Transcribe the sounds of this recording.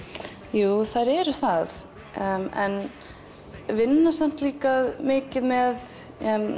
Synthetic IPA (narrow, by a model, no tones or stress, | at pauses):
juːθaɾɛɾʏθað | ɛ̰n | vɪnːasam̥t̪liːkaðmɪːcɪðmɛð